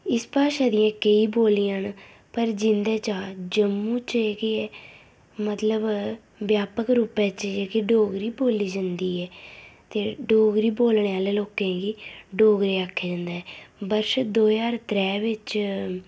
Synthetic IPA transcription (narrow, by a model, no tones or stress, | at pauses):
ɪspaːʃɛːd̪ɪjãːkəiːboːlijãn | pəɾd͡ʒɪnd̪ɛːt͡ʃaːd͡ʒəmːũːt͡ʃeːɡɪɛː | mət̪ləb | ʋjaːpəkɾuːpɛ̃ːt͡ʃd͡ʒeːkiɖoːɡɾiːboːliːd͡ʒənd̪iːɛːt̪eːɖoːɡɾiːboːlɳeːaːleːloːkẽːɡiːɖoːɡɾeːaːkʰːeːd͡ʒənd̪aːɛːbəɾʃd̪oːd͡ʒaːɾt̪ɾɛːʋɪt͡ʃ